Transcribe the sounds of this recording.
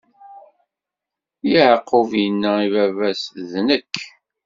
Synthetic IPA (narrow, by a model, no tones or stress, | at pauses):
jiʕəqːʊvjənːæivævæsðnəkː